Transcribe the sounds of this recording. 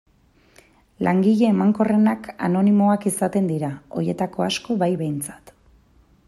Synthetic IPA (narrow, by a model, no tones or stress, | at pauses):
lʔaŋɡiʎe̞ːmaŋko̞re̞naka̰no̞nimo̞akisat̪e̞nd̪iɾao̞̰je̞t̪ako̞asko̞βajβe̞jnt͡sḁt̪